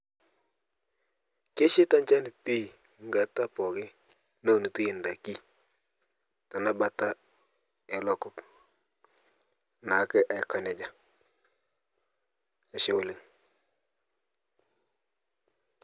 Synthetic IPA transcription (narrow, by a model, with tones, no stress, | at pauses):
ke˦ʃɪ˦ta˦ɲt͡ʃa˦n˨pi˦ | ŋɡa˨ta˦pɔ˨ɣɪ˦ | no˦˨ni˨tu˦jɪ˨nda˨ki˦ | ta˨na˦ba˦ta˦ | ɛ˨lɔ˦kʊ˦p | na˨˦kɪ˦ʔa˨˦˨ka˦nɛ˨d͡ʒa˦˨ | a˨ʃɪ˦wʊ˨lɪ˨ŋ